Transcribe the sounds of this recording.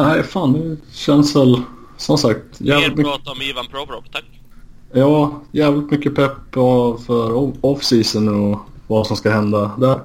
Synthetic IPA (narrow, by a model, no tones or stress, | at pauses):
næɪfɑːnːɛɕɛnsvɛl | sɔmsak̚t̪jæːvlɪt̪mːt̪ɔmiːvanpʰɾɔvɾɔ̰kt̪ʰak | jɑːjæːvlɪt̪mʏkːəpʰɛpːɔfœɾɔɔfsiːsənɔvasɔmskaɦɛnd̪ad̪æɾ